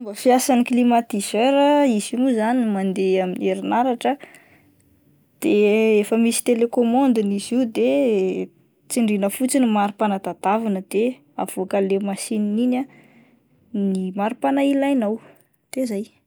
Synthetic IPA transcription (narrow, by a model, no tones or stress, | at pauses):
mbafiasanklimat̪izøɾəizimuzanimand̪eamineɾinaɾaʈ͡ʂə | d̪̥eefəmisi̥t̪elekomɔnd̪inizid̪e | t͡siɳɖ͡ʐinəfut͡sinimaɾupanad̪ad̪̥avinəd̪̥e | a̰vuakəlemasininina | nimaɾupanailajnaw | d̪̥ezaj